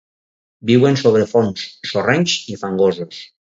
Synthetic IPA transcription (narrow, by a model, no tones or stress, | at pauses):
biwensoβ̞ɾefonsːoreɲsifaŋɡozos